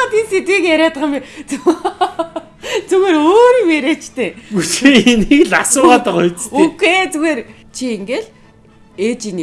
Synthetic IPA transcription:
t̪inset̪ɡikjæɾʲaːt̪ʁə̆met͡s | t͡suɣeːɾoːɾimeɾeːt͡ɕt̪ʰeːuseinekɮasʊːʁaːt̪əχʊjt͡sukʰeːt͡suɣeːr | t͡ɕʰieŋɡeɮ | et͡ɕini

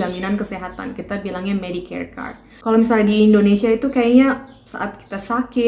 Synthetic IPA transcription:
aminankəseɦat̪a̰nkit̪abilaŋɲamedikʰɛ̰rka̰rt̪̚ | kalowmisaladiːndonesiait̪ukajaɲa | sa̰ʔat̪̚ki̥t̪asakɪ

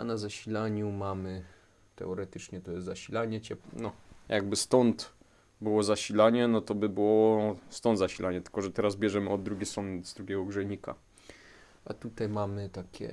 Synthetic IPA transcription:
a̰nazaɕilaɲumamɘ | t̪ɛ̰ɔɾɛt̪ɘt͡ʂɲɛt̪ɔjɛst̪zaɕilaɲɛt͡ɕɛpnɔjʔaɡ̚bɘst̪ɔnt̪ | bɘwɔzaɕilaɲɛnɔt̪ɔbɘbɘwɔɔst̪ɔnd̪zaɕilʔaɲɛt̪ɘ̥lkɔʐɛt̪ɛɾazbʲjɛʐɛmɘɔd̪ːɾuɡʲejsɾɔnzd̪ɾuɡʲɛɡɔɡʐɛɲika̰ | ʔa̰t̪ut̪ajmamɘt̪akʲɛ̰

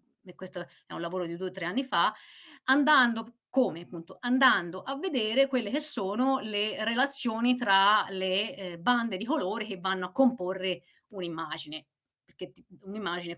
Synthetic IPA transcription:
ekːwest̪o | ɛ̰ũlːavoːɾod̪id̪uet̪ːɾeanːifaand̪and̪o | koːmeapːunt̪oʔand̪and̪oʔavːed̪eːɾekwelːek̟esːoːnolerelat̪sːjoːnit̪ɾaleband̪ed̪ikoloːɾek̟evːanːoakːomporːe | unimːaːd͡ʒine | peɾk̟et̪ːiunimːaːd͡ʒine

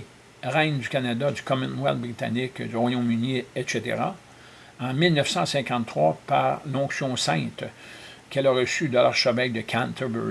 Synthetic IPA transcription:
ʁɛ̃ŋd̪ykʲanad̪ad̪ykɔmɛ̃nwɛ̰ld̪̚bʁit̪a̰nɪkd̪yʁwajɔ̃myniɛt̪ʃet̪ḛʁa̰ | ɑ̃milnœfsɑ̃sɛ̃kɑ̃t̪t̪ːʁwapaʁlɔ̃ksjɔ̃sɛ̃t̪kɛlaʁəsyd̪əlaʁʃəvɛld̪əkʰãnt̪ʰəb̰

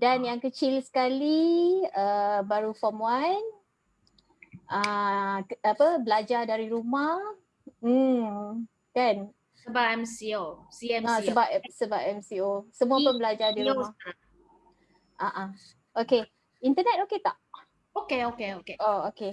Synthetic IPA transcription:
danjaŋkət͡ʃilsə̥kaliəbaɾufɔmuan | ʔə | apəbəlad͡ʒadaɾiɾumah̩ | kan | səbap̚ɛmsiosiɛasəbapɛsəbapɛmsiosəmũapʊnbəlad͡ʒadiɾuaa | ʔaʔa | ʔoke | int̪ənɛt̪̚oket̪aʔ | okeokeokeooke

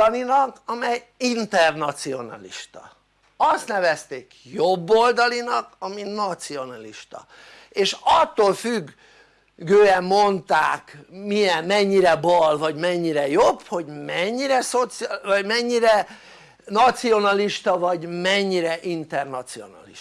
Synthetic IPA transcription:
linɒkɒmɛjint̪ɛrnɒt̪sio̞nɒ̰lḭʃt̪ɒ̰ | ɒst̪nɛvɛst̪eːkjo̞bːo̞ld̪ɒlinɒkɒminɒt̪sio̞nɒliʃt̪ɒ̰ | eːʃɒt̪ːoːlfyɡː | øːɛmːo̞nt̪aːkmijɛmːɛɲːiɾɛbɒlvɒɟmɛɲːiɾɛjobho̞ɟmɛɲːiɾɛsot̪sivɒɟmɛɲːiɾɛ | nɒt̪sio̞nɒliʃt̪ɒvɒɟmɛɲːiɾɛʔint̪ɛrnɒt̪sio̞̰nɒ̰liʃ

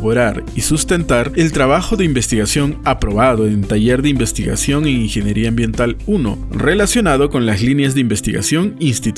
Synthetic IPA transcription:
oɾaɾisust̪e̞nt̪aɾe̞lt̪ɾaβaxo̞ðeimbe̞st̪iɣasjo̞ŋapɾo̞βaðo̞ent̪aʝe̞ɾðeimbe̞st̪iɣa̰sjo̞ŋe̞ŋiŋxe̞njeɾiaːmbje̞nt̪aluno̞̰ | re̞lasjo̞naðo̞ko̞nlazlinjazðeimbe̞st̪iɣa̰sjo̞ŋiinst̪it̪

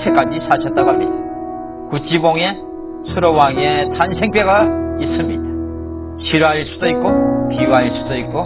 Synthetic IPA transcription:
sʰek͈ad͡ʑisʰaɕʰʌt͈abamɲida | kut͡ɕ͈iboŋe̞ | sʰuɾowaŋe̞tansʰe̞ŋp͈eɡais͈ɯmɲid̥a | ɕʰiɾaisʰu̥dʌik͈̚opiwaiɭsʰu̥dʌik̚k͈o

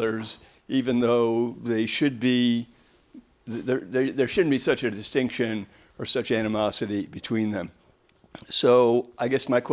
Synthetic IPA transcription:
ə˞z | ivɨ̃nðoʊðeɪʃɨd̚bi | ððə˞ðə˞ðə˞ʃʊdⁿn̩b̥isʌt͡ʃɨdɨstɪ̃ŋkʃɨ̃n | ə˞sʌt͡ʃænɨmɑsɨɾibɨtʰw̥ĩnðɨ̃m | soʊʔaɪɡɛsmaɪkʰw

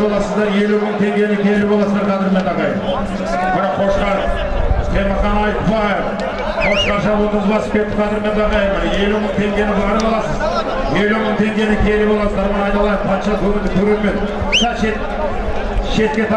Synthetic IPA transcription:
bolˠɑsəzd̪ɑɾe̞luməɴt̪ʰe̞ŋɡʲe̞nɪkʲʰelɪbolˠɑsəzd̪ɑɾqʰɑd̪ɪɾme̞nt̪ʰɑqɑjə̰m | bɑɾɑqqʰo̞ʃqɑ | q̪ʰeməχɑnɑjt̪bɑjef | qʰo̞ʃqɑnʃɑwo̞t̪əzbɑsə̥pkʲe̞t̪ːɪp̚qʰɑd̪ɪɾme̞nt̪ʰɑqɑjmɑje̞luməɴt̪ʰe̞ŋɡʲe̞nɪbɑʁɾbɑlˠɑsəz | je̞luməɴt̪ʰe̞ŋɡʲe̞nɪkʲʰelɪbolˠɑsəzd̪ɑɾmɑnɑjt̪ɑlˠɑjəmqʰɑnʃɑt̪ʰɵmɪnd̪ɪkʲʰɵɾeɾme̞t̪ | sɑʃet̪ | ʃe̞t̪̚kʲe̞t̪ʰɑ

